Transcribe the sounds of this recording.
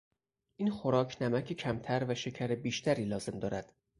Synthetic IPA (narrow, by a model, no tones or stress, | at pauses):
ʔiːnxoɾɒːcʰnæmæcʰecʰæmt̪ʰæɾvæʃe̞cʰæɾebiːʃt̪ʰæɾiːlɒːze̞md̪ɒːɾæd̪̥